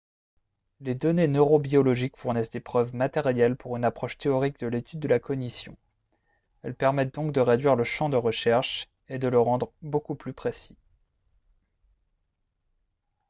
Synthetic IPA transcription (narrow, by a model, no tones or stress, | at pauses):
led̪ɔnenøʁobiɔlɔʒikfuʁnɛsd̪epχœvmat̪ɛʁjɛlpuʁynapχɔʃt̪eɔʁik̚d̪əlet̪yd̪ːəlakɔnisjɔ̰̃ | ɛlpɛʁmɛt̪̚d̪ɔ̃k̚d̪əʁed̪ɥiʁləʃɑ̃d̪əʁəʃɛʁʃ | ed̪ələʁɑ̃d̪ʁbokuplypχesi̥